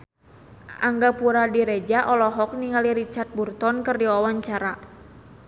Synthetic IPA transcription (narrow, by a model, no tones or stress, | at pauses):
ʔaŋɡapuɾadiɾɛd͡ʒaʔɔlɔɦɔk̚niŋaliɾit͡ʃart̪̚burt̪ɔnkɨrdiwawaɲt͡ʃaɾa